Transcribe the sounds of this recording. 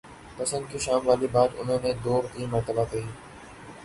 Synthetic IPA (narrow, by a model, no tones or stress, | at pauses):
pɐsə̃nd̪̚kiːʃaːmʋaːlibaːd̪ʊ̰nɦõːnẽd̪oːɾt̪iːmɐɾt̪əbakɐiː